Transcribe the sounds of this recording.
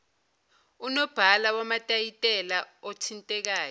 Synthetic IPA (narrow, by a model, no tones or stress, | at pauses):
unɔb̥ʱalawamatʼajitʼɛlaɔtʰintʼɛk̬aːjɔ